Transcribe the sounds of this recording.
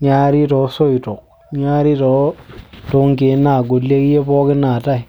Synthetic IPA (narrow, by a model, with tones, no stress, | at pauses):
ɲa˦ɾi˦to˨˦so˦i˨to˨k̚ | ɲaː˦ɾi˦tɔ˨˦to˨˦ŋk̬e˨˦na˨ɡo˨lːe˦ki˦je˦pɔː˦ki˦na˨ta˦i˨